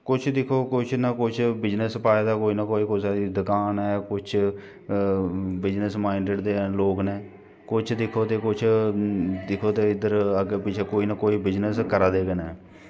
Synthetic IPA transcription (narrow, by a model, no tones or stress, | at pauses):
kʊt͡ʃʰd̪ɪkʰoːkʊt͡ʃʰnakʊt͡ʃʰbɪd͡ʒnəspaːed̪aːkoːiːnaːkoːiːkoːisaːɾiːd̪ʊkaːnɛːkʊt͡ʃʰ | bɪd͡ʒnəsmaːiɳɖeɖd̪eːloːknɛː | kʊt͡ʃʰd̪ɪkʰːoːt̪eːkʊt͡ʃʰ | d̪ɪkʰoːt̪eːɪd̪əɾəɡepɪt͡ʃʰeːkoːiːnaːkoːiːbɪd͡ʒnəskəɾaːd̪eːkənɛː